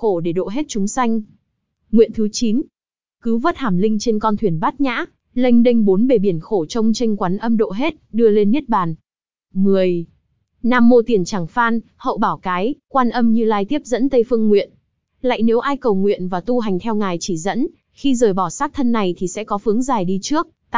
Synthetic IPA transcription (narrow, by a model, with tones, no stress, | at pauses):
xo˧˩ɗe˧˩ɗo̰˧˨ɦe˦˥t̚t͡ɕʊ˨˦ŋ͡msa˧jŋ̟ | ŋwḭ˧˨ənt̪ʰɨ˨˦t͡ɕi˨˦n | kɨ˨˦və˦˥t̚haː˧˩mlï˧ŋ̟t͡ɕe˧nkɔ˧nt̪ʰwi˧˩ənɓaː˦˥t̚ɲa̰ː˧˥ | lə˧jŋ̟ɗə˧ŋ̟ɓo˨˦nɓe˧˨˩ɓi˧˩ənxo˧˩t͡ɕə˧wŋ͡mt͡ɕə˧jŋ̟kwaː˨˦nʔə˧mɗo̰˧˨ɦe˦˥t̚ɗɨ˧əle˧nːi˦˥ət̚ɓaː˨˩n | mɨ˨˩əj | naː˧˩mːo˧t̪i˨˩ənt͡ɕaː˧˩ŋfaː˧n | hə̰˧˨wɓaː˧˩wkaː˨˦jkwaː˧nʔə˧mɲɨ˧laː˧jt̪i˦˥əp̚zə̰˧˥nt̪ə˧jfɨ˧əŋŋwḭ˧˨ən | la̰ː˧˨jne˨˦wʔaː˧jkə˨˩wŋwḭ˧˨ənvaː˨˩t̪u˧ɦa˨˩jŋ̟t̪ʰɛ˧wŋaː˨˩jt͡ɕi˧˩zə̰˧˥n | xi˧zəː˨˩jɓɔ˧˩saː˦˥k̚t̪ʰə˧nːa˨˩jt̪ʰi˨˩sɛ̰˧˥kɔ˨˦fɨ˨˦əŋzaː˨˩jɗi˧t͡ɕɨ˦˥ək̪̚ː